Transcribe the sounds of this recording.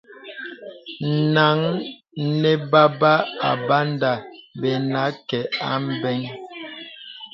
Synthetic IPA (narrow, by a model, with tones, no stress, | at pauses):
na˨˦ŋ | nɛ˦ba˦ba˦a̰˨ba˦n˦da˨bɛ˨na˨˦kɛ˨a˦m˦bɛ˦ŋ